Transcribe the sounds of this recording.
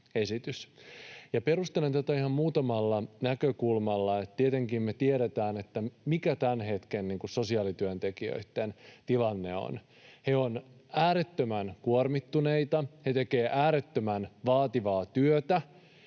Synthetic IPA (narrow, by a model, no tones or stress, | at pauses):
esit̪ysjɑpe̞rust̪elent̪æt̪æihɑmmuːt̪ɑmɑlːɑnækøkulmɑlːɑet̪t̪iet̪eŋkiːmme̞t̪ieɾet̪æːnet̪ːæmikæt̪ænɦe̞t̪kenniːŋkusso̞siɑːlit̪yønt̪ekiø̰it̪ːent̪ilɑnːe̞̰o̰n | he̞o̞næːɾet̪ːømænkuormit̪ːunejt̪ɑhet̪e̞ke̞ːʔæːɾet̪ːømænʋɑːt̪iʋɑːt̪yøt̪æ